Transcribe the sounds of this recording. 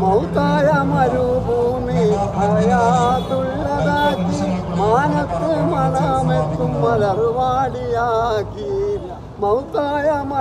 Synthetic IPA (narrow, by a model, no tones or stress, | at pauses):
mɐwt̪aːjɐmɐɾubʱuːmiɐɾɐjaːt̪uɭlɐɡaːkimaːnɐk̪ːemɐlaːmet̪umːɐd̪ɐɾʋaːɽijaːɡi | mɐwt̪aːjɐmɐ